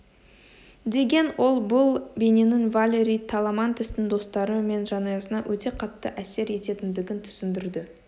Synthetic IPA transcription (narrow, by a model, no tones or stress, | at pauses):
d̪e̞ɡʲe̞nwʔo̞lˠbʊlˠbʲe̞ne̞nɪŋvalʲe̞ɾʲijt̪ʰalˠamɑnt̪ɪsnɪŋd̪o̞st̪ɑɾəme̞nʒɑnɑjɑsənɑwʔɵt̪e̞qʰɑt̪ːəʔæse̞ɾe̞t̪e̞t̪ɪnd̪ɪɡʲɪnt̪ʰʏ̥sɪnd̪ɪɾd̪ɪ